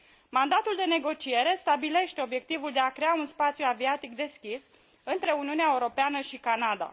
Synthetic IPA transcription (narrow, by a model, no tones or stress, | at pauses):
mand̪at̪uld̪e̞ne̞ɡo̞t͡ʃie̞ɾe̞st̪abile̞ʃt̪e̞o̞bje̞k̚t̪ivuld̪e̞akɾe̞aunspat̪sijuaviat̪ikd̪e̞skʲis | ɨnt̪ɾe̞uniuneaeuɾo̞peanəʃikanad̪a̰